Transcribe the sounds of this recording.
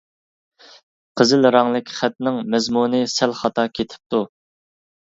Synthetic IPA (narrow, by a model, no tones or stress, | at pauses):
qʰəzɪlɾɑŋlˠɨkʲʰχæt̪̚nɪŋmɛzmunɨsælχɑt̪ʰɑkʲʰet̪ʰɪ̥p̚t̪u